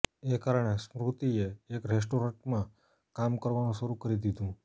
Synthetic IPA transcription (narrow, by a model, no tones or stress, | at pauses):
ekaɾɳ̃esmɾut̪ieːkɾes̬ʈoɾə̃ɳʈmã | kamkəɾʋanũʃəɾukəɾid̪id̪ũ